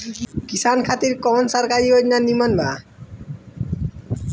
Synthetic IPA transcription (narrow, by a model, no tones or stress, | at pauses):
kisankʰat̪iɾkɔnsaɾkaɾiɦotnanimanba